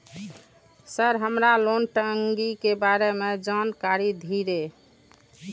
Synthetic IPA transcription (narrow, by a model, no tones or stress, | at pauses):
səɾɦəmɾalonʈəŋɡikebaɾemed͡ʒankaɾid̪ʱiɾe